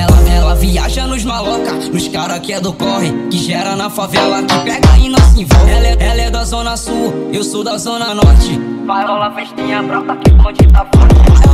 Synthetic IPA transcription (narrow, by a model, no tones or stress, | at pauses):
ɛlɐɛlɐviaʒɐnʊzmalɔkɐnʊʃkaɾaked̪ʊkɔɦɪ̃kɪʒɛɾɐnɐfavɛlɐkɪpɛɡɐĩnosĩvɛlɛɛlɛd̪ɐzõnɐsuewsowd̪ɐzõnɐnɔɾt͡ʃɪfaɾɔlɐveʃt̪ẽjɐbɾap̪ɐkɪpɔd͡ʒit̪apo